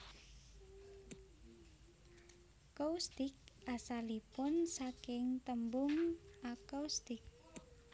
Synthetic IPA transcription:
kowst̪ɪk̚asalipʊnsakɪŋt̪əmbʊŋakowst̪ɪk̚

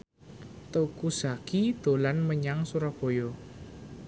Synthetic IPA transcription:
t̪əkusakid̪̥o̤lanməɲaŋsuɾɔb̥o̤jɔ

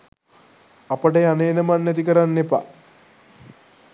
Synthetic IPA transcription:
ɐpəʈejaneːnəmanːɐt̪ikəɾanːepa̰

